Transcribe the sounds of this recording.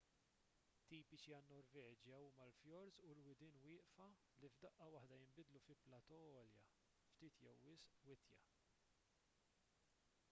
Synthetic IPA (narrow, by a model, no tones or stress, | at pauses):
t̪ːiːpɪt͡ʃiɐnnːɔɾvɛːd͡ʒjɐuːmɐlfjɔɾzulwɪd̪ɪːnwɪːʔfɐ | livd̪ɐʔːɐwɐħd̪ɐjɪmbɪd̪lufɪplɐt̪ɔɔːljɐ | ft̪iːt̪jɛwːɪsʔwɪt̪jɐ̰